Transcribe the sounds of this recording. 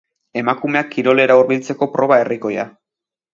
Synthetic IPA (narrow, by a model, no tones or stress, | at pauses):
e̞makume̞akʰːiɾo̞le̞ɾauɾβilt͡se̞ko̞pɾo̞β̞ae̞riko̞ja̰